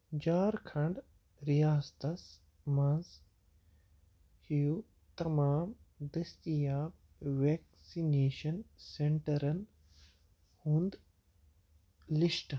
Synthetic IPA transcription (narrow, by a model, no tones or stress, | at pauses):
d͡ʑaːɾkʰɐ̃ɳɖ | ɾijaːst̪ɐs | mɐ̃z | hiju | t̪ɐmaːmd̪ɐst̪ijaːb̚ | ʋeːk | sineːʃɐnsẽɳʈɐɾɐn | hũːnd̪ | liʃʈ